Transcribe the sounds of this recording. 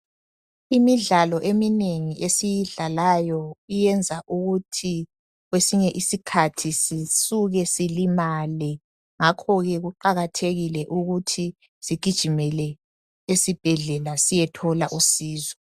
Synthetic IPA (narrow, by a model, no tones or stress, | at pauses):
imiɮalɔʔemineŋiʔesijiɮalajɔijɛnd͡zʱaʔuɣutʰi | ɣwesiɲɛʔisikʰatʰisisuɣɛsilimalɛ | ŋakʰɔɣɛɣuǃaɣatʰeɣilɛʔuɣutʰi | siɡ̥ʱid̥ʒ̥ʱimɛlɛ | esib̥ʱɛɮɛlasijɛtʰɔlaʔusiːzɔ